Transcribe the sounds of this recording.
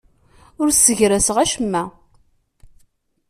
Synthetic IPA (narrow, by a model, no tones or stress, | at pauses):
ʊɾəʝɾæsəʁæʃəmːæ